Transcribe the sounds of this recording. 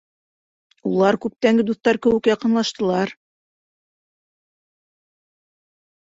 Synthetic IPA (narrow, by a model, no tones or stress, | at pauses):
ulˠɑɾkʉp̚t̪æŋɡɘd̪uθt̪ɑɾkɘ̆wɘkjɑqɤ̆nlˠɑʃt̪ɤ̆lˠɑɾ